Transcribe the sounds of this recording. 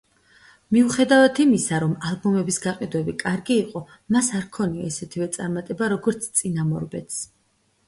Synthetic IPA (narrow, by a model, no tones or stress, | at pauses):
miuχɛd̪avat̪ʰimisaɾɔmalˠbɔmɛbisɡaqʼid̪wɛbikʼaɾɡiːqʼɔ | masaɾkʰɔniaisɛt̪ʰivɛt̪sʼaɾmat̪ʼɛbaɾɔɡɔɾt̪sʰt̪sʼinamɔ̰ɾbɛt̪ʰs